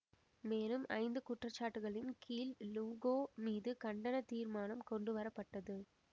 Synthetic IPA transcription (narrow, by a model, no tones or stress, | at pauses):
meːlɯmɐ̰ɪnd̪ɯkʊʈrɐt͡ʃːaːʈːɯɣɐɭɪnkʰiːlluːɣoːmiːðɯkɐɳɖɐnɐt̪iːɾmaːnɐmkɔɳɖɯʋɐɾɐpːɐʈːɐðɯ